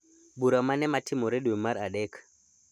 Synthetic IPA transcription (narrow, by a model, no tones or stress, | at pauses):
buɾamanɛmatɪmoɾeɗwemaɾaɗɛk